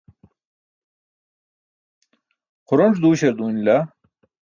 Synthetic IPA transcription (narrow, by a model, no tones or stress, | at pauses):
qʰʊɾoɳʈ͡ʂd̪uːɕeɾd̪uːnla